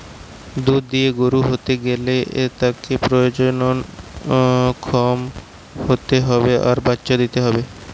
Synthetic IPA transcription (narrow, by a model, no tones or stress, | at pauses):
d̪ud̪̚d̪ieɡoɾuɦot̪eɡeleʔet̪akepɾojod͡ʑonon | kʰɔm | hot̪eɦɔbeʔaɾbatːɕad̪it̪eɦɔbe